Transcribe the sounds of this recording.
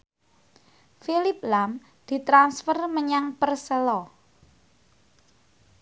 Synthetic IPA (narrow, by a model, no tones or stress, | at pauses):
filɪp̚lam | d̪̥i̤t̪ɾansfərməɲaŋpərsəlɔ